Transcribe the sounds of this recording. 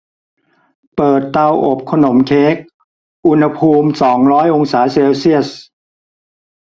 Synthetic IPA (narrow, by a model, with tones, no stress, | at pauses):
pɤː˨˩t̪ːa˧wʔo˨˩p̚kʰa˧no˩˦mkʰeː˦˥k̚ | ʔu˧nha˧pʰuː˧msɔː˩˦ŋɾɔː˦˥jʔo˧ŋsaː˩˦seː˧wsi˥˩əs̚